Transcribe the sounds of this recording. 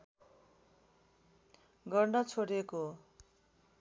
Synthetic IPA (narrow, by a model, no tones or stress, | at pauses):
ɡʌrɳɖʌt͡sʰoɽeko